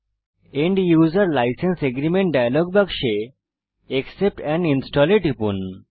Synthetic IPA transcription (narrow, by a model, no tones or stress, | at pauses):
eɳɖjuːzaɾlajsenseɡɾimeɳʈ̚ɖajalɔɡbaɡʃeː | ksep̚ʈɛninsʈɔleʈipṵn